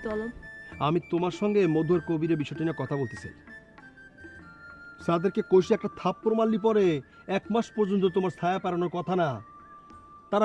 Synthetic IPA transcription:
ɔloamit̪omaɾʃɔŋɡemod̪ʱuaɾkobiɾebiʃɔjʈiniekɔt̪ʰabolt̪et͡ɕʰa̰j | ʃad̪eɾkekojʃiɛk̚ʈat̪ʰapːɾomalːip̬ɔɾe | ɛkmaʃpɔɾd͡ʑont̪̬ot̪omaɾst̪ʰajapaɾanoɾkɔt̪ʰana | t̪aɾa

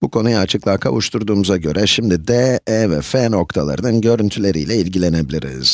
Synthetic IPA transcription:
b̥ukʰo̞nujaːt͡ʃʰɯklˠaːkʰa̰vuʃt̪ʰuɾd̪uːmuzaɟø̞ɾʔɛʃimd̪id̪ɛɛvɛfɛno̞k̚t̪ʰalˠa̰ɾɯnɯnɟø̞ɾynt̪ʰylʲe̞ɾijlʲɛilʲɟilʲe̞ne̞bilʲiɾḭz̥

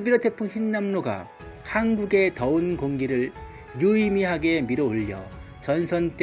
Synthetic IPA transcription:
biɾʌtʰe̞pʰuŋçinːamnoɡa̰ | hanɡuɡe̞tʌɯnkoŋɡiɾɯɭ | juimiɦaɡe̞miɾʌoʎːʌ̰ | t͡ɕʌnsʰʌnt͈

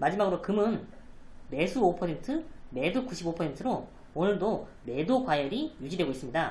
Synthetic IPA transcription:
mad͡ʑimaɡɯɾokɯmɯn | me̞sʰuopʰʌsʰe̞ntʰɯme̞dukuɕʰibopʰʌsʰe̞ntʰɯɾo | onɯɭdo | me̞dokwajʌɾijud͡ʑidwe̞ɡois͈ɯmɲida

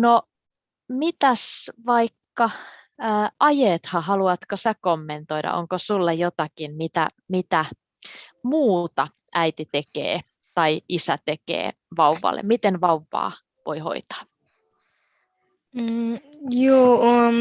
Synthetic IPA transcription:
no | mit̪æsʋɑikːɑː | ʔɑjeːt̪hɑhɑluɑt̪kosækomːent̪oiɾɑ̰ʔo̰ŋkosulːɑjjot̪ɑkinmit̪æ̰ | mit̪æ | muːt̪ɑ | ʔæit̪it̪ekḛː | t̪ɑiisæt̪ekḛː | ʋɑuʋɑ̰lːḛmmit̪enʋɑuʋːɑ̰ː | ʋo̰iho̰it̪ɑ̥ː | joːo

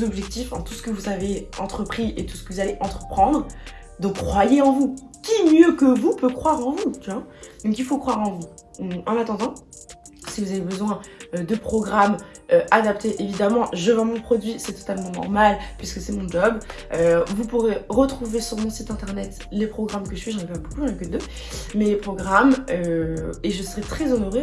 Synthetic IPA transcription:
zɔbʒɛk̚t̪ifɑ̃t̪usə̥kəvuzaveɑ̃t̪χəpχiʔet̪u̥sə̥kəvuzaleʔɑ̃t̪χə̥pχɑ̃d̪ʁ | d̪əkχwajeɑ̃vu | kʲimjøkəvupøkχwaʁɑ̃vut̪yad̪ɔ̃k̬ilfokχwaʁɑ̃vu | ɑ̃nat̪ɑ̃d̪ɑ̃ | sivuzavebəzwɛ̃ød̪əpχɔɡʁam | øad̪ap̚t̪eʔevid̪amɑ̃ʒəvɛ̃mɔ̃pχɔd̪ɥisɛt̪ɔ̥t̪almɑ̃nɔ̰ʁmalpɥiskəsɛmɔ̃d͡ʒɔb | øvupuʁeʁət̪χuvesyʁmɔ̃sit̪ɛ̃t̪ɛʁnɛt̪ | lepχɔɡʁamkəʒəsɥiʒɑ̃nɛpabokuʒɑ̃nɛkød̪ø | mɛlepχɔɡʁamøeʒəsəʁɛt̪χɛzɔnoʁe

